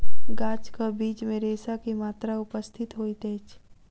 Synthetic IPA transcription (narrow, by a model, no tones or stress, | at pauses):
ɡaːt͡ʃkabiːt͡ʃmẽɾeːsakimaːt̪ɾaʊpəst̪ʰɪt̪ɦoːit̪eːt͡ʃʰ